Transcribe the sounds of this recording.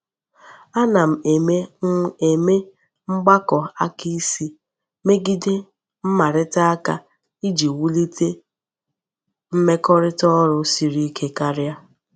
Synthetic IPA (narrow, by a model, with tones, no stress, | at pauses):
a˦na˨m̩˨e˨me˦e˨me˦ | ŋ͡m̩˦ɡ͡ba˦kɔ˨a˦ki˦si˦ | me˦ɡi˦dɪ˦ | m̩˦ma˨ɾɪ˦ta˦a˦ka˦ | i˦d͡ʒi˨wu˦li˦te˦ | m̩˦me˦kɔ˦ɾɪ˦tɔ˦ɾʊ˨si˨ɾi˦kʰe˦ka˦ɾja˦